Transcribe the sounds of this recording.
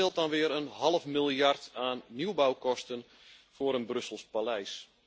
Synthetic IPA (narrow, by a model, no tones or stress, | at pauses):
ɪlˠt̚dɑnʋɪəɾənɦɑlˠəfmilˠjartaːnːiwbawkɔstən | fʊːɾənbrɵsəlˠspalɛjs